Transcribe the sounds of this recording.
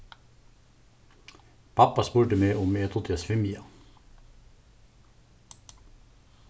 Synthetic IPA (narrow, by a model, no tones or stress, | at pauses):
pʰɑpɑspuːʈəmeːʊmeːt̪ʰʊt̪ʰɑsfɪmɪɑ